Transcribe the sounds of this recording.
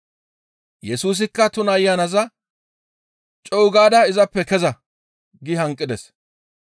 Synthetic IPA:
jɛsuːs̬ɪkːɐt̪ʊnɐjːanɐzɐ | t͡ʃʼɔwʊɡaːd̪ɐɪzɐpːɛkɛzɐ | ɡɪɦɐŋkʼːɪd̪ɛs

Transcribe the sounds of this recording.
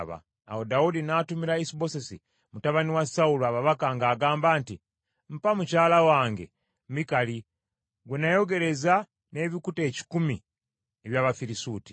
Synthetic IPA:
βa̰ː | wo̞daudinatumiɾaisiβo̞sesḭ | mutaβaniwasauluaβaβakaŋɡaːɡaːmbaːnti | m̩pamucaːlawaːŋɡe̞̰ | mikali | ɡwenajo̞ɡe̞ɾe̞za | ne̞βikute̞ːci̥kumi | eβjaːβafiɾisuːti̥

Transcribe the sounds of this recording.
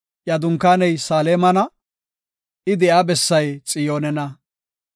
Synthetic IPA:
jɐd̪ʊŋkːaːnɛjsaːleːmɐnɐ | ɪd̪ɛʔabɛsːɐjt͡sʼɪjoːnɛnɐ

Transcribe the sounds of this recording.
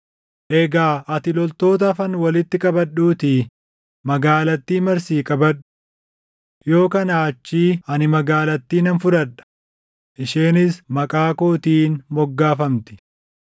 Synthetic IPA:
ʔɛɡaːʔɐt̪ɪlɔlt̪o̞ːt̪̬ɐfɐnwɐlɪt̪ːɪkʼɐbɐɗuːt̪ɪ | mɐɡaːlɐt̪ːiːmɐɾsiːkʼɐbɐᶑːʊ̥ | jo̞ːkɐnaːɐt͡ʃːiːɐnɪmɐɡaːlɐt̪ːiːnɐnfʊɾɐᶑɐ̥ | ʔɪʃeːnɪsmɐkʼaːkoːt̪iːnmɔɡːaːfɐmt̪ɪ̥

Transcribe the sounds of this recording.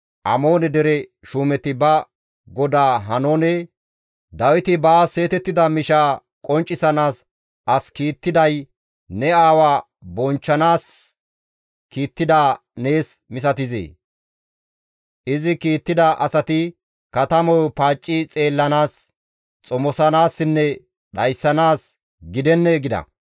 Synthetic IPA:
ʔɐmo̞ːnɛd̪ɛɾɛʃuːmɛt̪ːɪbɐ | ɡɔd̪aːɦɐnoːnɛ | d̪ɐwɪt̪ɪbaːse̞ːt̪ɛt̪ːɪd̪ɐmɪʃaː | kʼɔnt͡ʃʼːɪsɐnaːs | ʔɐskiːt̪ːɪd̪ɐj | nɛaːwaː | bɔnt͡ʃːɐnaːs | kiːt̪ːɪd̪a | ne̞ːsmɪs̬ɐt̪ɪzḛː | ʔɪzɪkiːt̪ːɪd̪ɐʔɐsɐt̪ɪ | kɐt̪ɐmɔwpaːt͡ʃʼːɪt͡sʼe̞ːlːɐnaːs | t͡sʼɔmɔsɐnaːsːɪnːɛ | ɗɐjsːɐnaːs | ɡɪd̪ɛnːɛɡɪd̪ɐ̰

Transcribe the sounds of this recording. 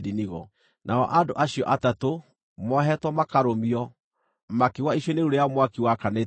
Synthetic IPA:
diniɣɔ | nʔaɔ̰ʔadoʔaɕiɔ̰ʔatato | mɔɦɛtwɔmakaɾomiɔ | makiwaiɕweneuɾejamwakiwakane

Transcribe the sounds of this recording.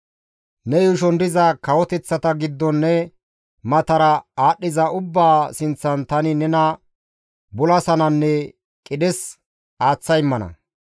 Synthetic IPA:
nɛjʊʃ̬ɔnd̪ɪzɐkɐwɔt̪ɛt͡sːɐt̪ɐɡɪd̪ːɔnːɛ | mɐt̪ɐɾɐaːɗːɪzɐʊbːaːsɪnt͡sːɐnt̪ɐnɪnɛnɐ | bʊlɐsɐnɐnːɛ | kʼɪɗɛs | aːt͡sːɐjɪmːɐnɐ̰

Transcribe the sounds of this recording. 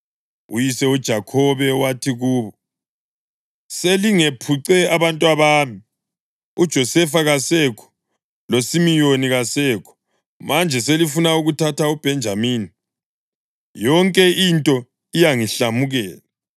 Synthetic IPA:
ṵjisɛud̥ʒ̥ʱakʰɔβɛwatʰiɣuːβɔ | seliŋepʰuǀɛaβantʼwaβaːmi | ud̥ʒ̥ʱɔsɛfaɣasɛkʰɔ̥ | losimijoniɣasɛːkʰɔ̥ | mand͡ʒʱɛselifunauɣutʰatʰaub̥ʱɛnd͡ʒʱamiːni | jɔŋkʼɛintʼɔ | ijaŋiɬamuɣɛːla

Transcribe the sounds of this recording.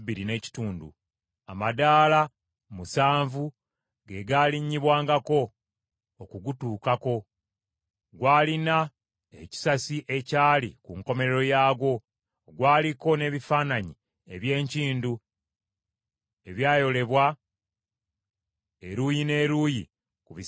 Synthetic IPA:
βiɾine̞ːci̥tuːndṵ | amadaːla | musaːɱvu | ɡe̞ɡaliɲːiβwaːŋɡako̞ː | kuɡutuːkako̞ | ɡwaːlina | ḛci̥sasiʔe̞caːlikuŋko̞me̞ɾeɾo̞jaːɡo̞ | ɡwaːliko̞ne̞βifaːnaɲi | e̞βje̞ːɲciːndu | e̞βjaːjo̞le̞βwa | eɾujine̞ːɾuji | kuβi

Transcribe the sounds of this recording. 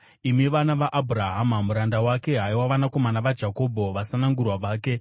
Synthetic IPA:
imiʋanaʋaʔːbʱuraɦamamuɾandawake̞ɦaiwaʋanako̞manaʋad͡ʒʱako̞bʱo̞ʋasanaŋɡurwaʋaːke̞

